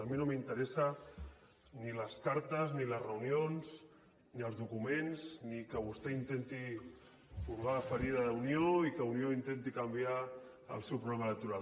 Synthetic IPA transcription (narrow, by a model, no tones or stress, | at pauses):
əminomint̪əɾesa | niləskaɾt̪əzniləzrəunjonz | niəlˠzðukumenznikəβ̞ust̪eint̪ent̪i | fuɾɣafəɾiðaðunjoikəunjoint̪ent̪ikambja | ə̰lˠsewpɾuɣlɛmaələk̚t̪uɾal